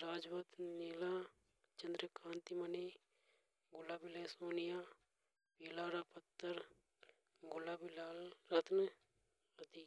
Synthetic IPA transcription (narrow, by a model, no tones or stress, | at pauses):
ɾaːd͡ʒʋət̪nelaː | t͡ʃɐ̃nd̪ɾəkʰãːnt̪imɐneː | ɡʊlaːbileːsoːnijaː | piːlaːɾapɐt̪ːəɾ | ɡʊlaːbilaːlɾɐt̪nə | ɐd̪i